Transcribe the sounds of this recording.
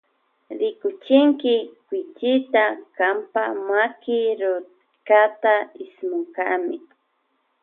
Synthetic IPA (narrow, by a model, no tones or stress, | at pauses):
ɾɪkʊt͡ʃɪŋkɪkwɪt͡ʃɪt̪akampamakɪɾʊ | kat̪aɪsmoŋkamɪ